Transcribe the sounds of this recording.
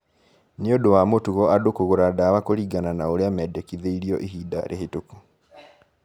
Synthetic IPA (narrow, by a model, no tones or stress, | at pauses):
neodowamotuɣɔadokoɣoɾadawakoɾiːɡananaoɾeamɛːdɛkiðeiɾiɔʔiɦiːda̰ɾʔeɦetoku